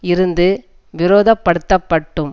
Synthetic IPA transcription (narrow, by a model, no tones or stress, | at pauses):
ɪɾɯnd̪ɯ | ʋɪɾoːðɐpːɐɽɯt̪ːɐpːɐʈːɯm